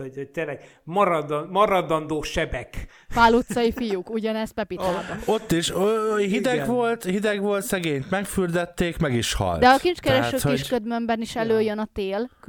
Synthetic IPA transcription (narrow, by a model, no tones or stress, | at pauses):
oot̪eːnlɛɡmɒɾɒd̪mɒɾɒd̪ɒnd̪oːʃɛbɛk | faːlut̪ssɒifijukuɟɒnɛspɛpit̪o̞t̪ːiʃɦid̪ɛɡʋo̞lt̪hid̪ɛɡʋo̞lt̪sɛɡeːɲt̪mɛkfyrd̪ɛt̪ːeːkmɛɡiʃhɒ̰ltd̪ɛɒkint͡ʃkɛɾɛʃøhiʃkød̪mømbɛniʃɛløːjønɒt̪eːl